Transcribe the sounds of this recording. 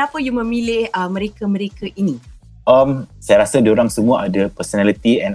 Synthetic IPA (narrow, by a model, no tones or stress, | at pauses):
knapəjumə̃milɪhəmə̃ɾekamə̃ɾekaʔini | əmsajaɾasadioɾaŋsəmũaʔadapəsonalit̪iɛ̃n